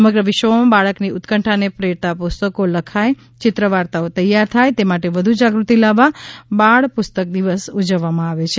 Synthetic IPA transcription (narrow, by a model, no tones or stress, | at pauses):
səməɡɾəʋiʃʋəomãbaɭəkniʊt̪kəɳʈʰanepɾeɾt̪apust̪əkoləkʰaj | t͡ʃɪt̪ɾəʋaɾt̪aot̪əjaɾt̪ʰajt̪emaʈeʋəd̪ʱud͡ʒaɡɾut̪ilaʋːabaɭpʊst̪ək̚d̪iʋəsud͡ʒəʋːamãaʋet͡ʃʰe